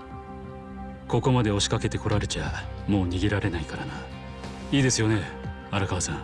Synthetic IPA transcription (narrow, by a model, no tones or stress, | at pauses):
ko̞ko̞mad̪e̞o̞ɕi̥kake̞t̪e̞ko̞ɾaɾɯ̟t͡ɕamo̞ːɲ̟iɡʲiɾaɾe̞naikaɾana | iːd̪e̞sɨjo̞ne̞ | aɾakaβasãŋ